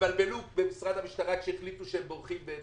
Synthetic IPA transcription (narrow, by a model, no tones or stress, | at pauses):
albelubemisʁad̪hamiʃt̪aʁaʃeeχlit̪uʃeembo̞ʁχimbe